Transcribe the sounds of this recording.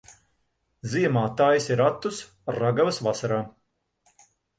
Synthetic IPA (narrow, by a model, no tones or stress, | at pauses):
ziɛmaːt̪aːjisiɾat̪ːus | raɡavɐsvasaɾaː